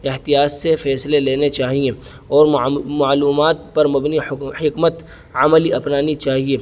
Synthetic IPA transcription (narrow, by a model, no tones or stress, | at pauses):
ɪɦt̪ijaːssefɛːsleleːnet͡ʃaːɦie | ɔːɾmaːluːmaːt̪̚pɐɾmɐbnihɪkmət̪ | ɐməliɐpnaːnit͡ʃaːɦieː